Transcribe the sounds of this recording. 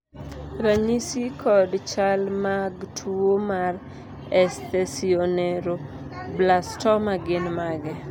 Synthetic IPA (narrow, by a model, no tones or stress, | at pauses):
ɾaɲisikʰɔdt͡ʃalmaɡtʰuomar | ɛst̪asionɛɾo | blastɔmaɡɪnmaɡɛ